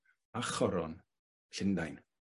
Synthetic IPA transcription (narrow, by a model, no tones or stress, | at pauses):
aχɔɾɔn | ɬɪndajn